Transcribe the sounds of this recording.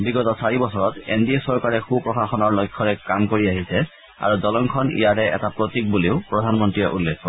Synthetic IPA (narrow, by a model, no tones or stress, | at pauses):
biɡɔtɔsaɹibɔsɔɹɔtḛndiesɔɹkaɹɛxupɹɔxaxɔnɔɹlɔjkʰːɔɹɛkamkoɹiaɦisɛ | a̰ɹudɔlɔŋkʰɔnḭjatɛɛ̰tapɹotik̚buleʊpɹɔdʱanmɔntɹijɛʔulːekʰːɔ